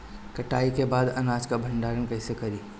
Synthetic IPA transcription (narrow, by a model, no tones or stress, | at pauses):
kɐʈaːikebaːd̪ɐnaːd͡ʒkabʱɐ̃ɳɖaːɾənkɐɦɪsekɐɾiː